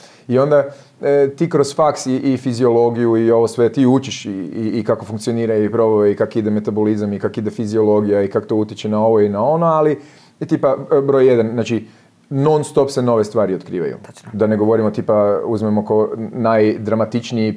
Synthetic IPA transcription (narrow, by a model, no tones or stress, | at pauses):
io̞nd̪a | t̪iːkɾosfaksiʔːfizio̞lˠo̞ɡijuio̞ʋo̞sʋe̞t̪iːut͡ʃiʃiiːkako̞fuŋkt̪sio̞niːɾaipɾo̞ʋoikakid̪eme̞t̪abolizamikakid̪e̞fizio̞lo̞ɡijaikako̥t̪o̞ut̪jit͡ʃenao̞ʋo̞inao̞noali | t̪ipabɾo̞jːed̪anznaːt͡ʃi | no̞nst̪o̞pse̞no̞ʋe̞st̪ʋaːɾiot̪kɾiːʋa̰jṵd̪aneɡo̞ʋo̞ɾimot̪ipauzmemokonajd̪ɾamat̪it͡ʃnii